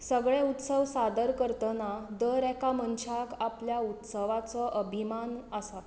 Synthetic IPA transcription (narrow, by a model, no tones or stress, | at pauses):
səɡɭeut̪səʋsad̪əɾkəɾt̪ənad̪əɾɛkamənt͡ɕʰakapljaut̪səʋat͡sɔʔəbʱimanəsa